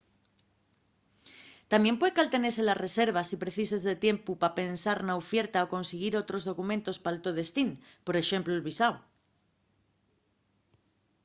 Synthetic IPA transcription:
t̪amje̞mpwe̞ekalt̪ene̞selare̞se̞ɾβ̞asipɾe̞θisezðe̞t̪je̞mpupape̞nsaɾnaofje̞ɾt̪aoko̞nseɣ̞iɾo̞t̪ɾo̞zðo̞kumẽnt̪o̞spalt̪o̞ð̞e̞st̪in | po̞ɾe̞ʃe̞mpluelβisaw

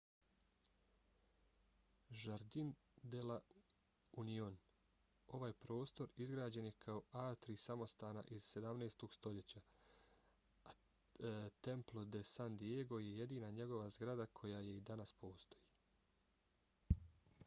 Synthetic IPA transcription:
ʒaɾd̪in | d̪ela | union | o̞ʋaːjpɾo̞ːst̪o̞ɾizɡɾaːd͡ʑe̞nje̞kʰao̞aːt̪ɾisamo̞st̪aːna̰ʔiz̥se̞d̪amneːst̪o̞ɡ̥st̪o̞ʎe̞t͡ɕa | a | t̪e̞mplˠo̞d̪esand̪ieɡo̞je̞je̞d̪iːnaɲe̞ɡo̞ʋazɡɾad̪akʰo̞jaje̞id̪anaspo̞ːst̪o̞ji

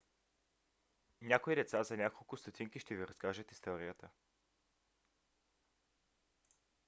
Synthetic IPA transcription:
nʲakoid̪ɛt̪sazɐnʲakolˠkʊst̪ot̪ʰiŋkiʃt̪ɛviɾɐskaʒət̪ist̪ɔɾijət̪ə

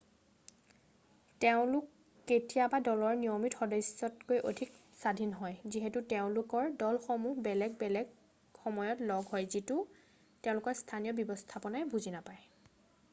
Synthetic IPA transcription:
teʊ̃lʊkː | etijabadɔlɔɹnijomitxɔdɔjsɔtkojʔodʱik | sadʱinɦɔjziɦetuteʊ̃lʊkɔɹdɔlxomuɦbɛlɛɡ̚bɛlɛɡ | xɔmɔjɔtlɔɡɦɔjzitʊ | tɛʊ̃lʊkɔstʰanijɔbɔbɔstʰapɔnajbuzinapaj

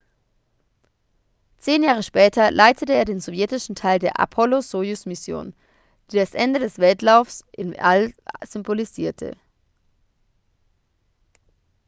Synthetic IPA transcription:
t͡seːnjaːʁ̞əʃpɛːtʰɐlʔaɪtʰətəeːɐdeːnzovjɛtɪʃn̩tʰaɪldeːɐʔa̰pʰɔlozoːjʊsmɪsjo̰ːn | d̥iːdasʔɛndədɛsv̥ɛltlaʊfsʔɪna̰lz̥ʏmboliziːɐtʰə̰

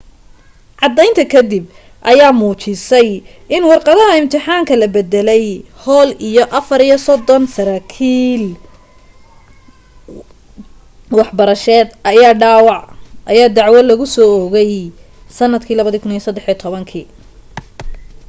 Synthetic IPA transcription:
ʕɑd̪ɛjnt̪ʰɐkʰɐd̪ɪb̚ | ʔɐjaːmuːt͡ʃɪsɛj | ʔɪnwɑrqɑðɐɦɐɪmt̪ʰɪħaːŋkʰɐlɐbɛd̪ɛlɛjhɔːlijɔʔɐfɐɾijɔsɔd̪ːɔnsɐɾaːkʰiːl | wɑħbɐɾɐʃɛːd̪ʔɐjaːɖaːwɑʕʔɐjaːd̪ɑʕwɐlɐɣʊsɔːɔɣɛj | sɐnːɐd̪kʰiːlɐβɐðiːkʰʊnijɔsɐd̪ːɛħijɔt̪ʰɔβɐŋkʰḭː

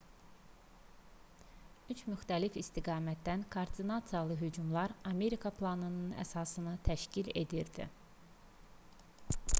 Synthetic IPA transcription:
yt͡ʃmyxt̪ælifist̪iɡɑːmæt̪̚d̪ænkʰooɾd̪inɑt̪sɨjɑlˠɯɦyd͡ʒumlˠɑɾɑme̞ɾikʰɑpʰlˠɑnɯnɯnæ̰sɑsɯnɯt̪ʰæʃcile̞d̪iɾd̪ḭ

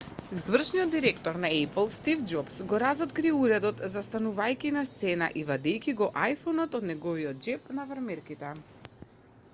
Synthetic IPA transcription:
zvr̩ʃniɔd̪ːiɾɛkt̪ɔɾnaɛplˠst̪ivd͡ʒɔpsɡɔɾazɔt̪kɾiɛuɾɛd̪ɔt̪zast̪anuvajkʲinast̪sɛna̰ʔivad̪ɛjkʲiɡɔʔajfɔnɔt̪ɔd̪nɛɡɔviɔt̪̚d͡ʒɛp̚navaɾmɛɾkit̪ɛ

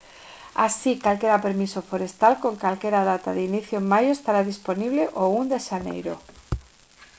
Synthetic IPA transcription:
asikalke̞ɾape̞ɾmisofoɾe̞st̪alko̞ŋkalke̞ɾað̞at̪a̰ðeiniθjoemmajoest̪aɾaðispo̞niβleʔound̪eʃanḛjɾo

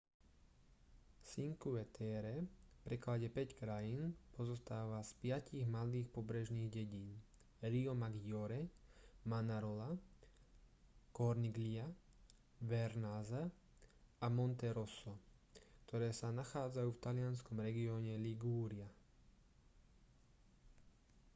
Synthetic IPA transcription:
siŋkuɛt̪ʰɛɾɛfpɾɛklaɟɛpɛckɾajinpɔzɔst̪aːʋaspɪaciɣmaliːxpɔbɾɛʒniːɣɟɛɟiːn | ɾiɔmaɡiɔɾɛmanaɾɔla | kɔɾniɡlia | ʋɛɾnaza | amɔnt̪ɛɾɔsɔ | kt̪ɔɾɛːsanaxaːd͡zajuːft̪alɪanskɔmɾɛɡiɔːɲɛliɡuːɾia

